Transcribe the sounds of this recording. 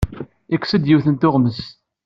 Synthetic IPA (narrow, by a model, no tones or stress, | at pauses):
ækʷːsəd̪jiwθənt̪ʊʁnəs